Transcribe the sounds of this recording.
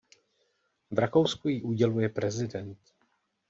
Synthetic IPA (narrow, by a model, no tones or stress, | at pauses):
vɾako̞wskujiʔuɟɛlujɛpɾɛzɪdɛnt̪